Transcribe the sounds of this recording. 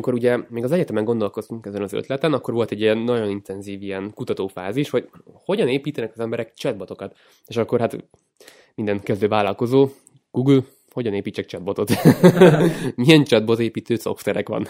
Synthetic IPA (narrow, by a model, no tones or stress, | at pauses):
iko̞ɾuɟɛmeːɡɒzɛɟɛt̪ɛmɛŋɡo̞nd̪o̞lko̞st̪uŋkɛzɛnɒzø̰t̪lɛt̪ɛnɒkːoɾʋo̞lt̪ɛɟːijɛnːɒɟo̞nint̪ɛnziːvijɛnkut̪ɒt̪oːfa̰ːziʃho̞ɟho̞ɟɒneːpiːt̪ɛnɛkɒzɛmbɛɾɛkt͡ʃɛd̪̚bot̪o̞kɒt̪ | eːʃɒkːo̞rɦat̪ | mind̪ɛnkɛzd̪øːvaːlɒlko̞zoː | ɡ̥uːɡyl | ho̞ɟɒneːpiːt͡ʃːɛk̚t͡ʃɛd̪bot̪o̞t̪ | mijɛnt͡ʃɛd̪̚bo̞zeːpiːt̪øːso̰fst̪ɛɾɛ̰kʋɒ̰n